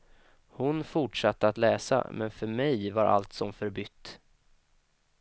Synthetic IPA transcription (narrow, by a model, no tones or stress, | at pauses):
hʊnfʊʈʂat̪ːəat̪lɛːsa̰mɛnfœɾmɛjvaɾʔa̰lt̪sɔmfœɾbʏt̪ː